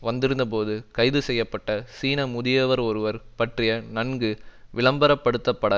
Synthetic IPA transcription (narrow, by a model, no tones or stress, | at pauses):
ʋɐnd̪ɪɾɯnd̪ɐp̬oːðɯkɐɪðɯsɛjːɐpːɐʈːɐsiːnɐmʊðɪjɐʋɐɾɔɾɯʋɐɾpɐʈrɪjɐnɐnɡɯʋɪɭɐmbɐɾɐpːɐɽɯt̪ːɐpːɐɽɐ